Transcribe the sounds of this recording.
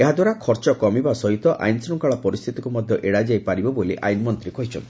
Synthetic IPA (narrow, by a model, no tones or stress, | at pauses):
eɦad̪waɾakʰɔɾt͡ʃɔkɔmibasɔɦit̪ɔʔa̰jnsɾɔŋkaɭɔpɔɾist̪ʰit̪ikumɔd̪ʱjɔʔeɽad͡ʒajpaɾibɔboliʔa̰jnmɔnt̪ɾikɔɦit͡ʃʰɔ̰nt̪i